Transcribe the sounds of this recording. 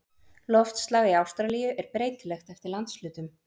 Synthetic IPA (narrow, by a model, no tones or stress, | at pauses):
lɔft̪st̪laːɣiawst̪ɾalijʏʔɛɾpɾeːjt̪lɛxt̪ɛft̪ɪɾlant̪slʏːt̪ʏm